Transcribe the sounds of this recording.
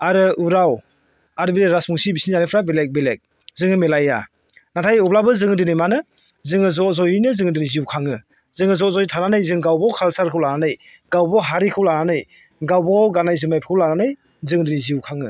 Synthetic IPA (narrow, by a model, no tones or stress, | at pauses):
aɾɯuɾaw | aɾɯbiɾeɾasmuŋsibisinzanajpʰɾabelek̚belek̚ | zɯŋɯmelaja̰ | natʰajup̚labɯzɯŋɯdɯnɯjmanɯ | zɯŋɯzɔzɔjinɯzɯŋɯdɯniziwkʰaŋɯ | zɯŋɯzɔzɔjtʰananɯjzɯŋɡawbɔkʰalsaɾkʰɯwlananɯj | ɡawbɔɦaɾikʰɯwlananɯj | ɡawbɔɡanajzɯmajpʰi̥kʰɯwlananɯj | zɯŋdɯniziwkʰaŋɯ